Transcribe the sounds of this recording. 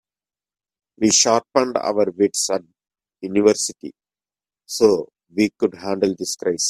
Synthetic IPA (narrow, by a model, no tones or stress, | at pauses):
ʋiːʃaːɾʈ̚pɐ̃ɳɖʌ̰ʋɐɾʋɪʈsæʈ̚ | juniʋəɾsiʈḭ | soː | ʋiːkʊɖɦæ̃ːɳɖəld̪iskɾaɪs